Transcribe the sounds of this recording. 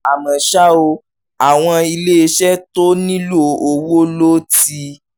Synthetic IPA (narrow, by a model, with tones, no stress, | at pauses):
a˨mã˨ʃa˦o˧ | a˨w̃ɔ̃˧i˧le˦e˧ʃɛ˦to˦nĩ˦lu˦˨o˨wo˦lo˦ti˧